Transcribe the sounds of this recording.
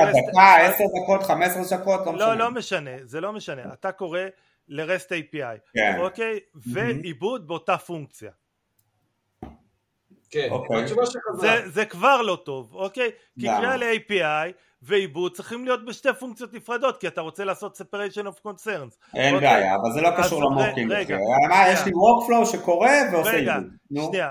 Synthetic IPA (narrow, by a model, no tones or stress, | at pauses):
ad̪aaeseʁd̪ako̞t̪χamesʁeʃakot̪lomlo̞lo̞me̞ʃane̞ze̞lome̞ʃane̞at̪ako̞ʁe̞ | le̞ʁest̪ejpiajkenokejve̞ibud̪̚beotafuŋk̚t͡sija | keokejaazzezekvaʁlo̞to̞voke̞j | kiʁialeejpiaj | ve̞ibud̪̚t͡sʁiχimlijo̞t̪̚beʃte̞fuŋkt͡sijotnifʁad̪o̞t̪kiat̪aʁo̞t͡se̞laːso̞t̪sepaʁeʃonofko̞nse̞ʁnz | ʔenbeaja̰ːvalzelo̞kaʃuʁlamoekimʁeɡaamajeʃliʁokflowʃeko̞ʁe̞veoeiɡau | nuʃnia